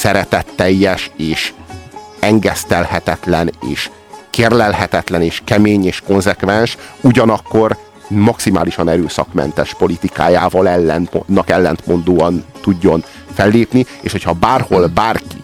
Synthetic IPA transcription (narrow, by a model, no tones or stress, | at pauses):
sɛɾɛt̪ɛt̪ːɛjːɛʃeːʃ | ɛŋɡɛst̪ɛlhɛt̪ɛt̪lɛnḛːʃ | keːrlɛlɦɛt̪ɛt̪lɛneːʃkɛmeːɲeːʃko̞nzɛkvɛnʃuɟɒnɒkːo̞r | mɒksimaːliʃɒnɛɾøːsɒ̰kmɛ̰nt̪ɛʃpo̞lit̪ika̰ːjaːvɒlɛlːɛnnːɒkɛlːɛnt̪mo̞nd̪oːɒnt̪uɟːo̞n | fɛlːeːpnieːʃho̞chɒbaːrho̞lbaːrki